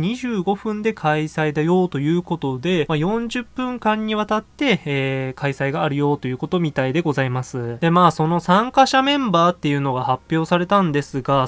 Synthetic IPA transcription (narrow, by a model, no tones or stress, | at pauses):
ɲiʑɨːɡo̞ɸɯ̟̃nd̪e̞kʰaisaid̪ajo̞ːt̪o̞jɯ̟ːko̞t̪o̞d̪e̞majõ̞ɲ̟d͡ʑɨpːɯ̟̃ŋkãɲ̟ːiβ̞at̪at̪ːe̞ːkaisaiɡaːɾɯ̟jo̞ːt̪o̞jɯ̟ːko̞t̪o̞mʲit̪aid̪e̞ɡo̞zaimasɨd̪e̞maːso̞no̞sãŋkaɕamẽ̞mbaːt̪ːe̞jɯ̟no̞ɡahapʲːjo̞ːsaɾe̞t̪ãnd̪e̞sɨɡa